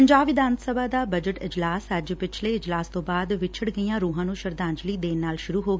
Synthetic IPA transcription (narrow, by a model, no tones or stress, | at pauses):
əɲd͡ʒaːbʋɪd̪ʱãːnt̪səbaːd̪aːbəd͡ʒəʈɪ̰d͡ʒlaːsəd͡ʒpɪt͡ʃʰleːɪd͡ʒlaːst̪õːbaːd̪ʋɪt͡ʃʰəɽɡəijãːɾuːɦãːnũːʃəɾd̪ãːɲd͡ʒləiːd̪eːnaːlʃʊɾuːɦoːɡeː